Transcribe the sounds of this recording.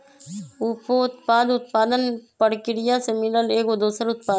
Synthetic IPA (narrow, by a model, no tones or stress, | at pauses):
ʊpoʊt̪paːd̪ʊt̪̚paːd̪ənpɐɽkɪɾɪjasemɪləleːkod̪uːsəɾʊt̪̚paː